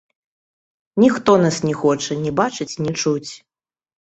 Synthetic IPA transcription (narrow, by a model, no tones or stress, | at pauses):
nʲixt̪ɔnasnʲɛxɔt͡ʂɐnʲɛbat͡ʂɨt͡sʲnʲit͡ʂut͡sʲ